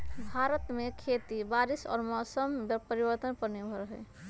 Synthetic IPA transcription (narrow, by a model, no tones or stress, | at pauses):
bʱaɾət̪mekʰet̪ibaɾisɔ̰ːɾmɔsəmpəɾibəɾt̪ənpənebʱɔɾəɦɛ